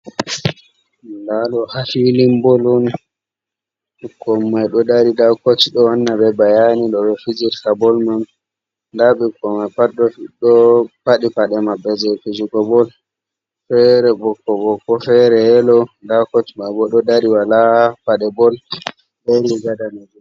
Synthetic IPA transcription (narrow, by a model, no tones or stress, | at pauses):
ndaɗɔhafilimbɔlɔn | ɓukʰːɔmːajɗɔdaɾidakot͡ʃːiɗɔwanːabɛbajaniɗɔbɛfid͡ʒiɾkabɔlman | daɓikːɔmapaɗːɔfiɗɔpaɗipaɗɛmabːɛd͡ʒɛfid͡ʒuɡɔbɔl | fɛɾɛbɔkːɔbɔkːɔfɛɾɛɛlɔdakot͡ʃimajbɔɗɔdaɾiwalapaɗɛbɔl | beɾiɡadanad͡ʒu